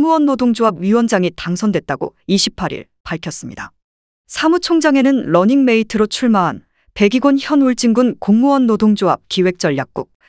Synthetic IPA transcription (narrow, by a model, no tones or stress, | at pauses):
ŋuwʌnːodoŋd͡ʑoɦab̚ɥiwʌnd͡ʑaŋitaŋsʰʌndwe̞t̚t͈aɡo̰iɕʰipʰaɾḭɭ | paɭkʰjʌs͈ɯmɲida | sʰamut͡ɕʰoŋd͡ʑaŋe̞nɯnɾʌɲiŋme̞itʰɯɾot͡ɕʰuɭmaɦan | pe̞ɡiɡonçjʌnuɭt͡ɕ͈iŋɡunkoŋmuwʌnːodoŋd͡ʑoɦa̰p̚kiwe̞k̚t͡ɕ͈ʌʎjak̚k͈ṵk̚